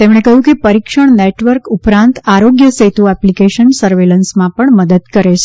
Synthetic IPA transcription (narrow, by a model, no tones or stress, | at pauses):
t̪emɽ̃ekəɦjũkepəɾikʃəɳneʈʋəɾkupɾãnt̪aɾoɡjəset̪uɛplikeʃənsəɾʋelənsmãpəɳməd̪əd̪kəɾet͡ʃʰe̥